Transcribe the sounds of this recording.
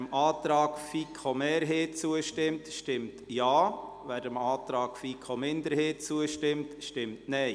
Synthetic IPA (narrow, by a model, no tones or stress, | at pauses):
mɑːtɾɑːkfikʰomɛːɾɦeːt͡suəʃtɪmtʃtɪmtjɑː | ʋæːɾdəmɑːt̪ɾɑːkfikʰomɪndəɾheːt͡suəʃtɪmtʃtɪmtnɛɪ